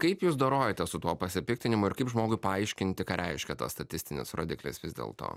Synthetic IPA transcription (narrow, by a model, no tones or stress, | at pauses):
kɐɪpjuːsd̪oːɾoːjɛt̪ʲɛsʊt̪uɔpɐsʲɪpʲɪkt̪ʲɪnʲɪmʊɪɾkɐɪpʒmoːɡʊɪpɐɐɪʃʲkʲɪnʲt̪ʲɪkɑːɾʲɛɪʃʲkʲɛt̪ɐ̰st̪ɐt̪ʲɪsʲt̪ʲɪnʲɪ̰sɾoːd̪ʲɪklʲɪ̰sʋʲɪzd̪ʲḛːlˠt̪o̰ː